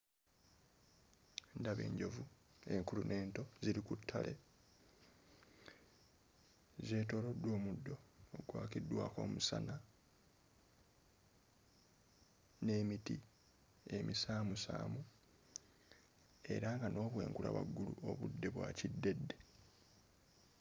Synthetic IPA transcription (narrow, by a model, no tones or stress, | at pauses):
ndaβe̞̰ːɲɟo̞vue̞ŋkulunʔe̞ːnto̞ziɾikutʰːale̞ | ze̞ːto̞ːɾo̞dːwo̞ːmudːo̞ːɡwaːkidːwaːko̞̰ːmusa̰na | ne̞ːmiti | emisaːmusa̰ːmu | e̞̰ɾaŋɡano̞ːβwe̞̰ːŋkula̰βa̰ɡːuluoβudːe̞βwa̰cidːe̞dːe̞